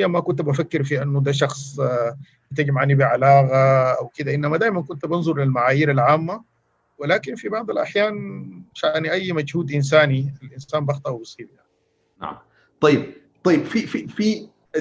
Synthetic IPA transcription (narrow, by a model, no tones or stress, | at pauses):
jːamakʊnt̪bafakːɪɾfiʔanːud̪aːʃ̬ɑxsˤ | bɪt̪aɡimʕanibiʕalaːɣaʔawkid̪aʔɪnːamad̪aːjmankʊnt̪bɪnzˤʊɾlilmaʕaːjiːɾalʕaːmːa | wɪlaːkinfibɑʕd̪ˤɑlʔa̰ħjaːnʃaniʔajːmad͡ʒhuːd̪ʔɪns̬aːnialʔinsaːnbɑxt̪ˤɑʔwbɑsˤiːbjaʕnḭ | t̪ˤɑjːɪb̚ | t̪ˤɑjːɪbfififi